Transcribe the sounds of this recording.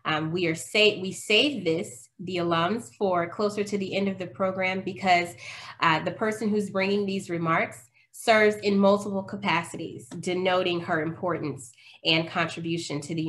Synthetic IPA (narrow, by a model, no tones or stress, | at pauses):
wiə˞seɪwiseɪvðɪs | ðiəlʌ̃mz̥fə˞kʰl̥oʊsə˞ɾɨðiʔɛ̃ndʌvðɨpʰɹ̥oʊɡɹæ̃mbɨkʰʌz | ðɨpʰɜ˞sɨ̃nɦʉzbɹɪ̃ŋɪ̃ŋðizɹɨmɑɹksː | ɜ˞vzɨ̃nmʌlˠtəpl̩ˠkʰəpʰæsɨɾḭzdɨnoʊɾɪ̃ŋə˞ɨ̃mpʰɔɹʔn̩sɨ̃nkʰɑ̃ntɹ̥ɨbjʉʃɨ̃ntʰɨðɨ